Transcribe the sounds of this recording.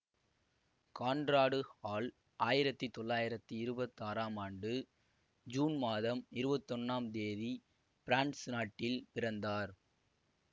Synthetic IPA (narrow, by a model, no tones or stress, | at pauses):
kaːnɖɾaːɽɯhaːl | ʔaːjɪɾɐt̪ːɯt̪ɔɭːaːjɪɾɐt̪ːɯɪɾɯbɐt̪ːaːɾaːmaːɳɖɯ | d͡ʒuːnmaːðɐmɪɾɯbɐt̪ːɔnːaːmd̪eːði | pɪɾaːɳɖsnaːʈːɪlpɪɾɐnd̪aːɾ